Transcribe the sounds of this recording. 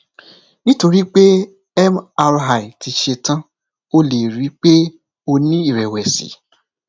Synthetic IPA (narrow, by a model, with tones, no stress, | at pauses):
nĩ˦to˧ɾi˦k͡pe˦ | ɛ˦ma˧ɾɦa˨i˨tʰi˧ʃe˧tã˦ | o˦le˨ɾi˨˦k͡pe˦ | o˧nĩ˦i˦˨ɾɛ˨wɛ˨sḭ˨˦